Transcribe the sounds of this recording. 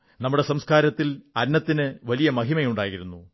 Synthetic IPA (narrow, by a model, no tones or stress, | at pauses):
nɐmːuɽe̞sɐmskaːɾɐt̪ːilɐnːɐt̪ːinɨʋɐlijɐmɐɦimɐjuɳɖa̰ːjiɾunːu